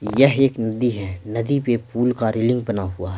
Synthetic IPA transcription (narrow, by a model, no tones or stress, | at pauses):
jɐɦeːknɐd̪iɦɛ̃nɐd̪ipepʰuːlkaɾɪːlɪ̃ŋɡ̚bɐnaɦuaɦɛː